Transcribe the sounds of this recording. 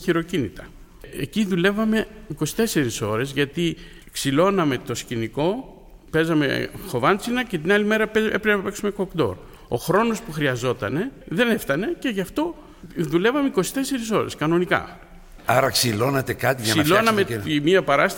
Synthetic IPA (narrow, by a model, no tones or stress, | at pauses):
çiɾo̞cinit̪ɐ | eciðule̞vɐme̞iko̞si̥t̪e̞se̞ɾiso̞ɾe̞zʝɐt̪i | ksilo̞nɐme̞t̪o̞sciniko̞ | pe̞zɐme̞̰xo̞vɐnt͡sinɐce̞t̪inɐlime̞ɾɐpeepɾinɐpe̞ksume̞ko̞kd̪o̞̰ɾ | o̞̰xɾo̞no̞spuxɾiɐzo̞t̪ɐne̞ðe̞ne̞ft̪ɐne̞ce̞ʝɐft̪o̞ | ðule̞vɐmeiko̞si̥t̪e̞se̞ɾis̬o̞ɾe̞̰skɐno̞nikɐ̰ | ɐɾɐksilo̞nɐt̪ekɐt̪iʝsɐsilonɐmeimiɐpɐɾɐst̪